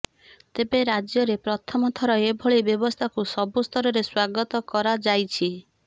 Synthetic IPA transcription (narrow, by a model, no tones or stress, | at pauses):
t̪ebeɾad͡ʒjɔɾepɾɔt̪ʰɔmɔt̪ʰɔɾɔebʱɔɭibjɔbɔst̪ʰakusɔbust̪ʰɔɾɔɾeswaɡɔt̪ɔkɔɾad͡ʒajt͡ʃʰi